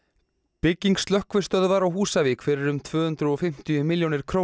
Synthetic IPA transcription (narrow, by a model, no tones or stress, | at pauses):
pɪcːiŋkst̪lœhkvɪɾ̥st̪œðvaɾawɦuːsavɪkʰfɪɾɪɾʏmt̪ʰvʏːhʏnt̪ɾʏɔfɪm̥t̪ijʏmɪljownɪɾ̥kʰɾoː